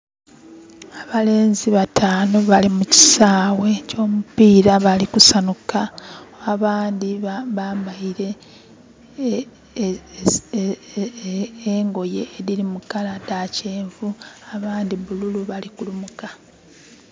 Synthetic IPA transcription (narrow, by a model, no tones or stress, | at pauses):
aβale̞ːnziβatʰaːnoβalimuci̥saːwe̞co̞ːmupiːɾaβalikusanukaaβaːndiβaːmbaiɾe̞ | eŋɡo̞je̞ːɾiɾimukaladace̞ːɱvuaβaːndiβululuβalikulumuka